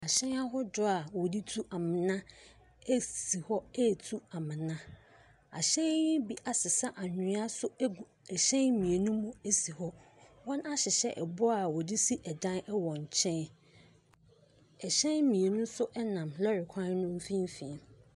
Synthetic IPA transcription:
a˨ɕɛ̃˦na˦ɦɔ˦dʊ˦a˨wɔ˨di˦tʰu˦ʔa˨mɪ̃˨nã˦ | e˦si˨hɔ˦e˦˨tʰu˦a˨mɪ̃˨nã˦ | a̰˨ɕɛ̃˦jɪ̃˦bi˦ʔa˨sɪ˨sa˦ʔa˨ɲɪ˨˦a˦sʊ˦ɡu˨ | ɛ˨ɕɛ̃˦nmĩ˨e˨nũ˦mũ˦e˦si˨hɔ˦wɔ̃˦na˦ɕɪ˨ɕɛ̰˦ʔɛ˨bʊ˦a˨wɔ˨di˦si˦ʔɛ˨dã˦nɛ˦wɔ̃˨ɲ̩˨t͡ɕʰɛ̃˦n | ɛ˨ɕɛ̃˦nmĩ˨e˨nũ˦sʊ˦ʔɛ˦nã˨mlɔ˦ɾɪ˨kʷʰã˦n˦nʊ̃˦m˦fĩ˦m˦fĩ˨˦m

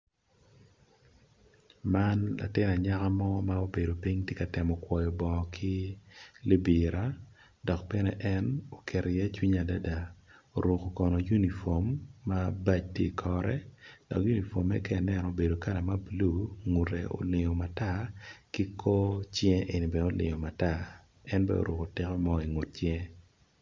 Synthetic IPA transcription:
ma˦nla̰˨tɪ˦na˨ɲa˦ka˦mɔ˦ma˦o˦be˨do˨pi˦ɲtje˦ka˨tɛ˨mɔ˨kwɔ˨jɔ˨bɔ˨kʰi˦li˦bi˨ɾa˦ | dɔ˨k̚pɛ˦nɛ˦ʔɛ˦no˨kɛ˨ɾʔjɛ˦t͡ʃwi˦ɲa˨da˦da˨o˨ɾo˨ko˨kɔ˨nɔ˨ju˦ni˨fo˨mːa˦ba˦t͡ʃtje˦i˨kʰɔ˦ɾɛ̰˦d̥ɔ˨kju˦ni˨fo˨mːɛ̰˦kɛ˦˨nɛ˨nɔ˨o˨be˨do˨ka˦na˨ma˦blu˦ŋu˨ɾḛ˨o̰˨lɪ˨ŋo˨ma˨ta˦ki˦kʰo˦t͡ʃjɛ˦ʔe˨ni˨bɛ˦o˦lɪ̰˨ŋo˨ma˨ta˦˨ | ɛ˦nbɛ̰o̰˨ɾo˨ko˨tɪ˦kɔ˦mɔ˦i˨ŋo˨t̚t͡ʃjɛ˦

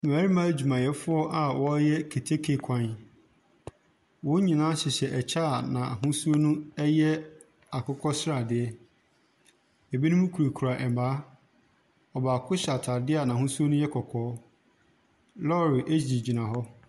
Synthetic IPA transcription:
m˨æː˨ɾi˦mã˦d͡ʑᶣu˨mã˨jɛ˨fʊ˦ɔ˦ʔa˨wɔ˨˦jɛ˦kʰe˨tʰe˦kʰe˨kʰã˦n | wʊ̃˦ɲĩ˨nã˦ɕɪ˨ɕɛ˨ʔɛ˨t͡ɕʰa˦˨nã˨a˨ɦʊ̃˦su˦o˦nũ˦ɛ˦jɛ˦ | a˨kʰʊ˦kʰɔ˦sɪ˦ɾa˨dɪ˦ɛ˦ | ɛ˨bi˦nũ˦mũ˦kʰu˨ɾe˨kʰu˨ɾa˨ʔɛ˨mbaː˨˦ | ɔ˨baː˨kʰʊ˦ɕa˨tʰa˨dɪ˦a˨nã˨ɦʊ̃˦su˦o˦nʊ̃˦jɛ˦kʰɔ˨kʰɔː˨˦ | lɔ˦˨ɾɪ˨ʔe˦d͡ʑi˨d͡ʑi˨nã˨ɦɔ˦

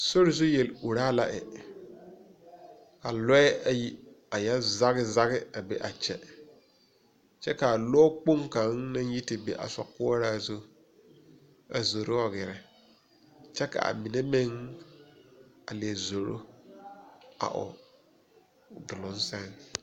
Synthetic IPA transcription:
so˦ɾɪ˨zʊ˦jɛ˨lu˨ɾaː˦la˦ʔɛ˨ | ka˨lɔ˦ɛ˦a˨ji˦ | a˨jɛ˦za˦ɣɪ˦za˦ɣɪ˦a˨bɛ˨ʔa˨t͡ʃɛ˦ | t͡ʃɛ˦ka˨lɔ˦k͡po˦ŋka˨˦ŋna˦nji˦tɪ˨be˨ʔa̰˨sɔ̰˨kʊ˦ɔ˦ɾaː˦zʊ˦ | a̰˨zo˨ɾo˦ɔ˨ɡɪ˨ɾɛ˨ | t͡ʃɛ˦ka̰˨a̰˨mɪ˨ne˦mɪ˦ŋ | a˨le˨zo˨ɾo̰˦ | a̰˨ʔʊ̰˨ | dʊ˨lʊ̃˨˦n˦sɛ˦ŋ

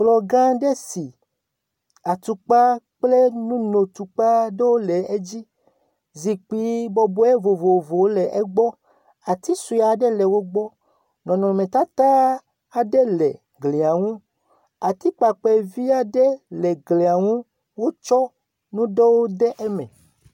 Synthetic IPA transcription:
k͡plɔ˨ɡã˦ɖe˦si˨ | a˨t̪u˨k͡pa˦ | k͡ple˦nũ˦no˨t̪u˨k͡pa˦ɖe˦wo˦le˨e˦d͡ʑi˦ | zi˨k͡pi˨bɔ˨bɔ˦e˦vo˨vo˨vo˨wo˦le˨ʔe˦ɡ͡bɔ˦ | a˨t̪i˦su˨a˨ɖe˦le˨wo˦ɡ͡bɔ˦ | nɔ̃˨nɔ̃˨mẽ˨t̪a˦t̪a˦ | a˨ɖe˦le˨ | ɡle˨a˨ŋũ˦ | a˨t̪i˦k͡pa˨k͡pɛ˨vi˦a˦ɖe˦le˨ɡle˨a˨ŋũ˦ | wo˦t͡ʃɔ˦ | nũ˦ɖe˦wo˦de˦ʔe˦mḛ̃˨

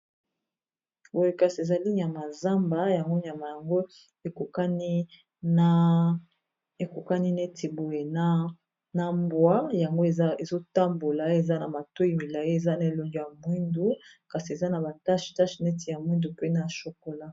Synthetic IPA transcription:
bo˨je˨ka˨si˨e˨za˨li˦ɲ˨a˨ma˨za˦mba˦ja˨ŋɡo˦ɲa˨ma˨ja˨ŋɡo˦ | e˨ko˨ka˦ni˦ | a˦ | e˨ku˨ka˦ni˦ne˦tʰi˨bo˨je˨na˦ | na˨mbwa˦ja˨ŋɡo˦e˨˦e˨zo˦ta˦mbo˨la˨˦e˨za˦na˨ma˨to˦i˨mi˨la˨je˦e˨za˦na˨e˨lo˨nd͡ʒo˨ja˨mwi˦ndu˦ka˨si˨e˨za˦na˨ba˨ta˦ʃta˦ʃne˦ti˨ja˨mwi˦ndu˨pe˦na˨ʃo˨ko˨la˦

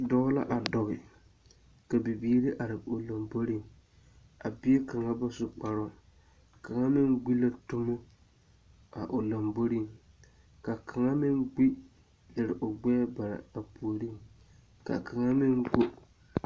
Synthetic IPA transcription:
dɔ˦ɣla̰˦ʔa˨dɔ˨ɣɪ˨ | ka˨bɪ˨biː˦ɾi˦ʔa˨ɾɪ˨o˨la˨mbo˦ɾi˦˨ŋ | a˨bi˦e˦ka˨ŋa˦ba˦sʊ˦k͡pa˨ɾʊ˦ | ka˨ŋa˦mɪ˦ŋɡ͡bi˦la˦tʊ˦mʊ˦ | a̰˨ʔo˨la˨mbo˦ɾi˦˨ŋ | ka˨kʰa˨ŋa˦mɪ˦ŋɡ͡bi˦ | lɪ˨ɾɪ˨ʔo˨ɡ͡bɛ˦ba˨ɾa̰˨a˨pu˨o˨ɾi˦ | ka̰˨kʰa˨ŋa˦mɪ˦ŋɡo˦

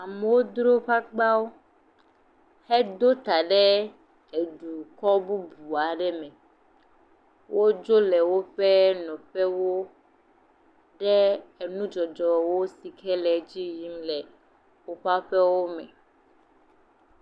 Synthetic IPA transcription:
a˨mɛ˨wo˦d̪ɾo˦ɸa˦ɡ͡ba˦wo˦ | hɛ˦d̪o˦t̪a˨ɖɛ˦ | e˨ɖu˨kɔ˦bu˦bu˨a˨ɖɛ˦mɛ̃˨ | wʔo˦d͡ʒo˦lɛ˨wo˦ɸɛ˦nɔ̃˨ɸɛ˦wo˦ | ɖɛ˦e˨nũ˦d͡ʒɔ˨d͡ʒɔ˨wo˦si˨kʰɛ˦lɛ˨d͡ʑi˦ji˦mlɛ˨ | wo˦ɸa˦ɸɛ˦wo˦mɛ̰̃˨

